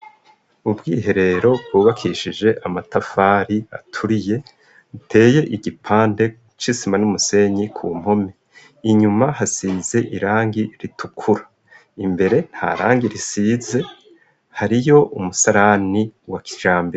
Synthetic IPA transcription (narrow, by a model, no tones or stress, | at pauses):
ubɡiːɦe̞ɾe̞ɾo̞b̚ɡuːβakʰiʃid͡ʒe̞ʔamatafaːɾiatʰuɾije̞ | utʰe̞ːje̞ʔiɡipʰaːnde̞ | t͡ʃisimanumuse̞ɲikʰuːm̥ho̞me | iɲumahasiːze̞ʔiɾaːŋɡiɾitʰukʰuɾḁ | imbe̞ɾe̞nha̰ɾaːŋɡiɾisiːze̞ | haɾijo̞ʔumusaɾaniwaki̥ʒ̥aːmbiɾa